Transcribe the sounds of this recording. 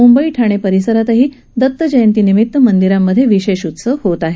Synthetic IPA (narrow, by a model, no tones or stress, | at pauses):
mumbəiːʈʰaɽ̃epəɾisəɾat̪əɦiː | d̪ət̪ːəd͡ʑəjənt̪iːnimit̪ːəmənd̪iɾamːəd̪ʱːjeʋiɕeɕut̪səhot̪aɦe